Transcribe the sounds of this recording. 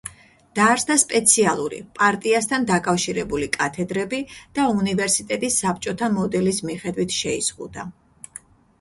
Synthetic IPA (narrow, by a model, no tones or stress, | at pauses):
d̪̥aɾsd̪aspʼɛt̪sʰialˠuɾḭpʼaɾt̪ʼiast̪ʰand̪akʼafʃiɾɛbulikʼat̪ʰɛd̪ɾɛbid̪̥aunivɛɾsit̪ʼɛt̪ʼisːap̚t͡ʃʼɔt̪ʰamɔd̪ɛlismiχɛd̪wit̪ʰʃɛḭsʁṵd̪a